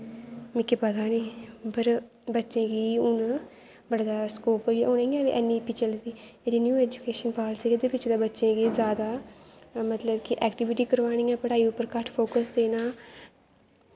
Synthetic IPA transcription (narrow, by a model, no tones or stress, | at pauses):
mɪkepət̪aːniːbəɾ | bətːʃẽːɡiːʊn | bəɽd̪aːskoːpɦoːioneiãːbḭʔɛːnːiːpit͡ʃəld̪iːeːɾiːnjuːɛːd͡ʒukeːʃənpaːlsiːɡed̪eːpɪt͡ʃd̪aːbətːʃẽːɡiːzjaːd̪aː | mət̪ləbkɪʔɛːkʈɪʋɪʈiːkəɾʋaːñiːãːpəɽaːiːʊpːəɾkəʈʰpʰoːkəsd̪eːnaː